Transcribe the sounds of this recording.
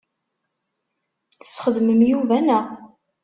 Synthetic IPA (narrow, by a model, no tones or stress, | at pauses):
θə̥sːχəðməmjuvænæ